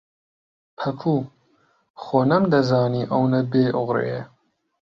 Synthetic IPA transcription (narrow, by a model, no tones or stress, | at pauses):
pʰɐpʰuː | xoːnɐmd̪ɐzɑːniːʔɐwnɐbeːʔʊɣɾḛje